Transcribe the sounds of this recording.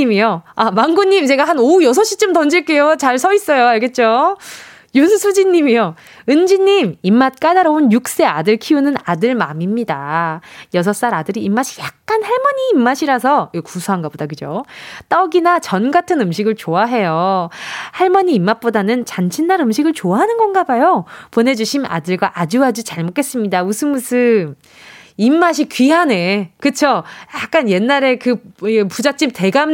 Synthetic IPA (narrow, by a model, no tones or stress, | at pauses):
imijoamaŋɡuɲːimt͡ɕe̞ɡaɦanojʌs̬ʰʌɕ͈it͡ɕ͈omtʌnd͡ʑiɭk͈e̞jot͡ɕaɭsʰʌis͈ʌjoaɭɡe̞t̚t͡ɕ͈o | josʰɯsʰud͡ʑiɲːimijo | ɯnd͡ʑiɲːimimːat̚k͈adaɾʌunjuk̚s͈e̞adɯɭkʰiunɯnadɯɭmamimɲida | jʌsʰʌs͈aɾadɯɾiːmːaɕʰi̥jak̚k͈anhaɭmʌɲiːmːaɕʰiɾas̬ʰʌikusʰuɦanɡabodakɯd͡ʑot͈ʌɡinat͡ɕʌnɡatʰɯnɯmɕ̬ʰiɡɯɭt͡ɕoaɦe̞jo | haɭmʌɲiːmːap̚p͈odanɯnt͡ɕant͡ɕʰinːaɾɯmɕʰiɡɯɭt͡ɕoaɦanɯnɡʌnɡabajopone̞d͡ʑuɕʰima̰dɯɭɡwaʔad͡ʑuɦad͡ʑit͡ɕaɭmok͈ʰe̞s͈ɯmɲidausʰɯmusʰɯm | imːaɕ̬ʰikɥiɦane̞kɯt͡ɕʰojak̚k͈anje̞nːaɾe̞kɯpud͡ʑat͡ɕ͈imte̞ɡam